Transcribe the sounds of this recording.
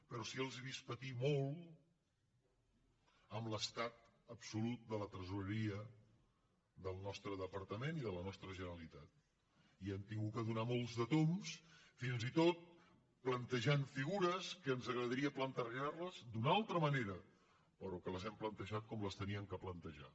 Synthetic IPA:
pəɾɔsiəlˠziβispət̪imolˠ | əmləst̪at̪əpsulut̪̚d̪ələt̪ɾəzuɾəɾiə | ðəlˠnɔst̪ɾəðəpəɾt̪əmeniðələnɔst̪ɾəʒənəəlit̪at̪̚ | iɛmt̪iŋɡuəðunamolˠzðət̪omsfinzit̪ot̪̚ | plənt̪əʒaɱfiɣuɾəskəːnzəɣɾəðəɾiəplənt̪ərʒarləzd̪unalˠt̪ɾəməneɾə | pəɾɔkələzɛmplənt̪əʒat̪̚kɔmləst̪əniəŋkəplənt̪əʒa̰

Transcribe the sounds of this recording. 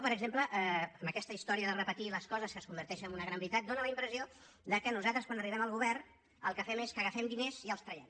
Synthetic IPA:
pəɾəɡzempləʔɛəmbəkɛst̪əist̪ɔɾiəðərəpət̪iləskɔzəskəskumbəɾt̪ɛʃənəmunəɣɾambɾit̪at̪̚d̪onələimpɾəzio | d̪əkənuzat̪ɾəskwanəriβ̞ɛməlˠɣuβɛrn | ə̰lˠkəfɛmeskəɣəfɛmd̪ineziəlˠst̪ɾəjɛm

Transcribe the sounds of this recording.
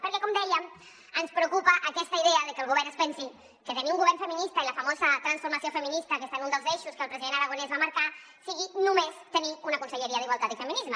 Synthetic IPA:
pəɾkɛkɔmd̪ɛjəm | ənspɾəwkupəʔəkɛst̪əiðeəðəkəlɣ̞uβɛɾnəspɛnsin | kət̪əniuŋɡuβɛɾrnfəminist̪əiləfəmozət̪ɾənsfuɾmɐsiofəminist̪əkest̪anunəlˠzeʃuskəlˠpɾəziðenəɾəɣunɛzβaməɾka | siɣinumest̪əniunəkunsəʎəɾiəðiɣwalˠt̪at̪ifəminizmə

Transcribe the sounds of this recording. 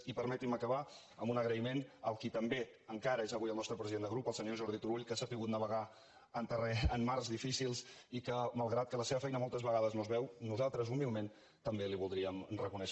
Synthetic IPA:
ipəɾmɛt̪iməkəβ̞a | əmbunəɣɾəimenəlˠkit̪əmbe | əŋkaɾəezəβujəlˠnɔst̪ɾəpɾəziðend̪əɣɾupəlˠsəɲoʒɔɾð̞it̪uɾuʎkəsapiɣut̪nəβəɣa | ənt̪ərɛənːarzðifisilˠsikəmalˠɣɾat̪̚kələseβəfɛjnəmɔlˠt̪əzβəɣaðəznozβɛwnuzalˠt̪ɾəzumilˠmen | t̪əmbeliβulˠd̪ɾiəmrəkunɛʃ

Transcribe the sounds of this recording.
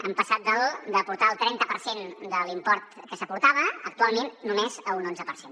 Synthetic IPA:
əmpəsat̪̚d̪əld̪əpuɾt̪aəlˠt̪ɾɛnt̪əpəɾsend̪əlimpɔɾt̪kəsəpuɾt̪aβ̞əːk̚t̪ualˠmenːumezəlunonzəpəɾsen

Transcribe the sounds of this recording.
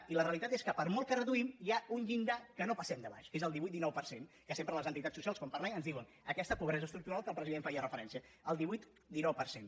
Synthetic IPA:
iləreəlit̪at̪eskəpəɾmɔlˠkərəðuimjaunʎind̪akənopəsɛmd̪əβa̰ʃkezəlˠd̪iβuit̪d̪inɔwpəɾsen | kəsempɾələzənt̪it̪at͡sːusialˠskɔmpərlɛŋənzðiwən | əkɛst̪əpuβɾɛzəst̪ɾuk̚t̪uɾalˠkəlˠpɾəziðeɱfaiərəfəɾɛnsiəəlˠd̪iβuit̪ | d̪inɔwpəɾsen

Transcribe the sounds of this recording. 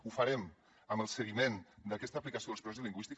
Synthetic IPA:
ufaɾɛm | əmbəlˠsəɣimend̪akɛst̪əːplikɐsioðəspɾezðəliŋɡwist̪ik

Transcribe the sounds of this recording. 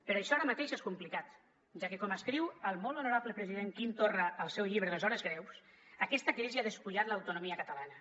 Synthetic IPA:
pəɾɔəʃɔaɾəmat̪eʃeskumplikat̪ | ʒakekɔməskɾiwəlˠmɔlonuɾaβləpɾəziðeŋkint̪orəəlˠsɛwʎiβɾəðlezɔɾəzɣɾɛws | əkɛst̪əkɾiziaðəspuʎat̪ləwt̪unumiəkət̪əlanə

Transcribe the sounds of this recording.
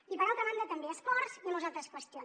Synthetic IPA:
ipəɾalˠk̪əmand̪ət̪əmbeəspɔɾzinuzalˠt̪ɾəskwəst̪ion

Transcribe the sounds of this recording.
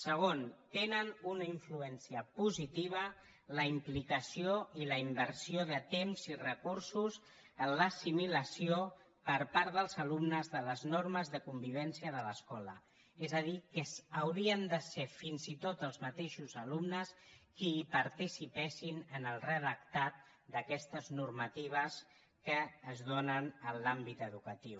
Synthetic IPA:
səɣ̞ont̪enənunəiɱfluɛnsiəpuzit̪iβ̞ə | ləimplikəsioiləimbəɾsioðət̪emzirəkuɾsus | ənləsimiləsio | pəɾpaɾðəlˠzəlumnəzðələznoɾməzðəkumbiβ̞ɛnsiəðələskɔlə̰ | ezəðikəsəwɾiənd̪əsefinzit̪ot̪əlˠzmət̪eʃuzəlumnəskiːpəɾt̪isipɛsinənəlˠrəðək̚t̪at̪̚ | d̪əkɛst̪əznuɾmət̪iβ̞əs | kəːzðonənəlambit̪əðukət̪iw

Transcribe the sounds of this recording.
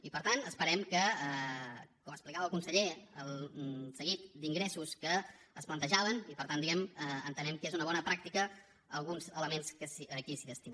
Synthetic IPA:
ipəɾt̪anəspəɾɛmkəəkɔməsplikaβəlˠkunsəʎeəlˠsəɣit̪̚d̪iŋɡɾɛsuskəəsplənt̪əʒaβənipəɾt̪and̪iɣɛməənt̪ənɛmkezunəβɔnəpɾak̚t̪ikə | əlˠɣunzələmenskəsəkisiðəst̪i

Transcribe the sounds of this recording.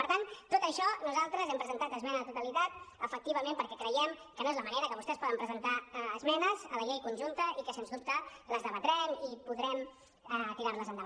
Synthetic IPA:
pəɾt̪ant̪ːot̪əʃɔnuzalˠt̪ɾəzɛmpɾəzənt̪at̪əzmɛnəðət̪ut̪əlit̪at̪əfək̚t̪iβəmẽmpəɾkɛkɾəjɛmkənoezləməneɾəkəβust̪ɛspɔðəmpɾəzənt̪aːzmɛnəzələʎejkunʲʒunt̪əʔikəsenzd̪up̚t̪ələzðəβət̪ɾɛmipuðɾɛm | ət̪iɾaɾləzənd̪əβ

